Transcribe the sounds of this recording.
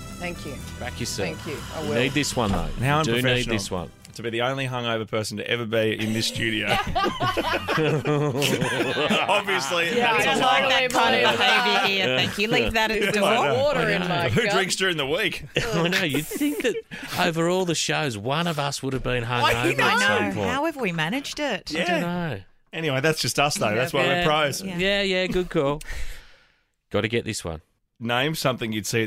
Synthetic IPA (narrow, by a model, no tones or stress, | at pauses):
θæ̃ŋkʰjʉb̥ækʰjɨsɨ̰̃ŋkjnid̪̚ðɪswʌ̰̃nðo̰ʊhaʊə̃ɨnid̚ðɪswʌ̰̃n | tʰəbiðiõʊ̃nliɦʌ̃ŋoʊvə˞pʰɜ˞sn̩tɨ̰ʔɛ̰və˞biɪ̰̃nðɪsːtʉɾioʊ | ɑbviɨslijlaɪkðkʰãɪ̃ndɨəheɪviiθæ̃kjɨlivðɨɾɨ̃nɨɔɾə˞ɪ̃hʉdɹɪ̃ŋksdʊɹɪ̃ŋðəwik | noʊjɨd̥̚θθɪ̃ŋk̚ðɨɾ | oʊvə˞ɔlˠðɨʃoʊzwʌ̃nʌvʌswʊɾɨvbĩnɦʌ̃ŋoaɪno̰haʊɛvə˞wimænɨd͡ʒdɪt̚jæɨnoʊ | ɛniweɪðætsd̥ʒ̥ʌstʌsðeɪðæswawipʰɹ̥aɪz̥jæjæɡʊd̚kʰɔlˠ | ɡ̥ɑɾɨɡɛʔ̪̚ðɪswʌ̰̃n | nẽɪ̃msʌ̃mθɪ̃ŋjɨd̥si